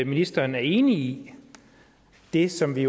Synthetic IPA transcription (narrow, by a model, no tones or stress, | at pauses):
minisd̥ɐːnæɐe̝ːnii | d̥e̝sɒ̽mʋio